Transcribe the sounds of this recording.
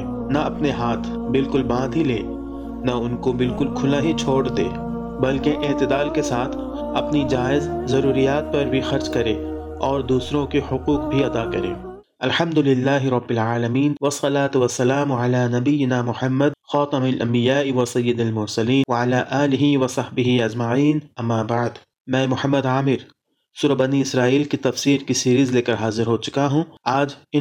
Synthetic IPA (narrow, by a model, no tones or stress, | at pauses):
nɐɐpneɦaːt̪ʰ | bɪlkʊlbãːd̪ʱɦilḛː | nɐʊnkobɪlkʊlkʰʊlaɦit͡ʃʰoːɽd̪ḛː | bɐlkeʔɪːt̪ɪd̪aːlkesaːt̪ʰ | ɐpnid͡ʒaːɪzzɐɾuːɾijaːt̪̚pɐɾbʱixɐɾd͡ʒkɐɾeː | ɔːɾd̪uːsɾõkihʊquːq̚bʱiɐd̪akɐɾḛː | ɐlħɐmd̪ʊlɪlːaːɦɪɾɐbːɪlʕaːlɐmiːnwɐsːɐlaːt̪ʊwɐsːɐlaːmʕalaːnɐbɪjːɪnaːmʊħɐmːəd̪̚xɑːt̪ɐmalʔɐ̰̃mbɪjaːwɐsɐjːɪd̪ɐlmʊɾsɐliːnʋɐʕalaːʔaːlɪɦiwɐsɑhbɪɦiɐd͡ʒmaʕiːnɐmːaːbaʕd̪ | mɛ̃ːmʊħəmːəd̪aːmɪɾ | suːɾɐbɐniɪsɾaːiːlkit̪ɐfsiːɾkisiːɾizleːkəɾɦaːzɪɾɦoːt͡ʃʊ̥kaɦũaːd͡ʒɪ